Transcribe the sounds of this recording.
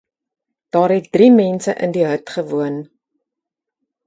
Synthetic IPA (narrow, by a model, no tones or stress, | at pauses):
d̥ɑːɾɦɛt̚drimɛnsəʔə̰ndiɦœɥtχəvuən